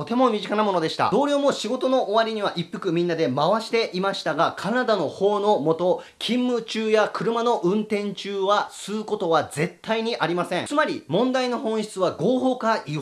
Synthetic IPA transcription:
t̪o̞t̪e̞mo̞mʲiʑikanamo̞no̞d̪e̞ɕi̥t̪a̰d̪̥o̞ːɾʲo̞ːmo̞ɕiɡo̞t̪o̞no̞ʔoβaɾʲiɲ̟iβaʔipːɯ̟kɯ̟mʲĩnːad̪e̞maβaɕi̥t̪e̞ʔimaɕi̥t̪aɡakʰanad̪ano̞ho̞ːno̞mo̞t̪o̞ | kʲʰĩmːɯ̟t͡ɕɨːjakɯ̟ɾɯ̟mano̞ʔɯ̟̃nt̪ẽ̞ɲt͡ɕɨːβasɨːko̞t̪o̞βad͡ze̞t̪ʰːaiɲ̟iʔaɾʲimasẽ̞ŋ̃t͡sɨmaɾʲimõ̞nd̪aino̞ɦõ̞ɰ̃ɕi̥t͡sɨβaɡo̞ːɦo̞ːkai

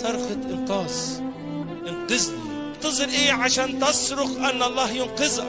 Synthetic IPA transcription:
sɑɾˤxaʔɪnqɑːzˤ | ʔɪnqɨz | bt̪ɑzˤɨlʔiːʕaʃaːnt̪ɑsɾʊxʔanːʔɑlˤːɑːhjʊnqɨzˤa

